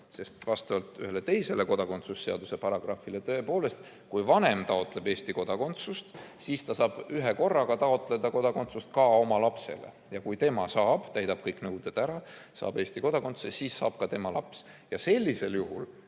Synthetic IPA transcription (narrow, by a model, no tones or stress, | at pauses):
se̞st̪vɑst̪ɑvɑlt̪yɦe̞let̪e̞jse̞le̞ko̞d̪ɑko̞nt̪susːeɑ̰d̪̥use̞pɑɾɑɡ̥rɑfile̞t̪ɤepo̞ːle̞st̪ | kujvɑnemt̪ɑo̞t̪ːˑle̞be̞ːst̪iko̞d̪̥ɑko̞nt̪sust̪siːst̪ɑsɑːb̥yɦeko̞rːɑɡ̥ɑt̪ɑo̞t̪ːˑle̞d̪ɑko̞d̪ɑko̞nt̪sust̪kɑo̞mɑlɑpse̞̰le̞̰ | jɑkujt̪e̞mɑsɑːb̥t̪æjd̪ɑb̥̚kɤjknɤwd̪̥ed̪̥æɾɑsɑ̰ːb̥e̞ːsʲt̪iko̞d̪̥ɑko̞nsesiːsːɑ̰ːb̥̚kɑt̪e̞mɑlɑ̰psjɑse̞lʲːise̞ljuɦul